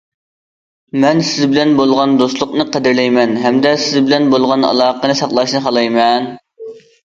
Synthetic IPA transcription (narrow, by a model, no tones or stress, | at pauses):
mɛnsɪzbɪlɛnbolˠʁɑnd̪oslˠʊqnɨqʰəd̪ɪɾlɛjmɛnɦɛmd̪ɛsɪzbɪlɛnbolˠʁɑnɑ̰lˠɑːqənɨsɑχlˠɑʃnɨχɑlˠɑjmɛn